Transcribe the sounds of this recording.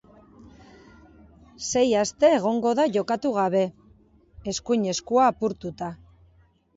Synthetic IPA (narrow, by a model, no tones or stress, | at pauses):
se̞jast̪e̞ːɣ̞o̞ŋɡo̞ðaʝo̞kat̪uɣ̞aβ̞e̞ | eskujɲe̞skuaːpuɾt̪ut̪a